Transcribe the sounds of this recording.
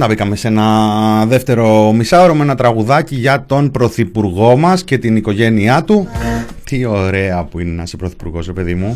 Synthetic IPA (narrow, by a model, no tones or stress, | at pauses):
t̪ɐbikɐme̞senɐðe̞ft̪e̞ɾo̞misɐoɾomenɐt̪ɾɐɣuðɐciʝɐt̪o̞npɾo̞θipuɾɣo̞mɐsce̞t̪iniko̞ʝe̞niɐt̪ut̪io̞ɾe̞ɐpuinnɐspɾo̞θi̥puɾɣo̞zɾepe̞ðimu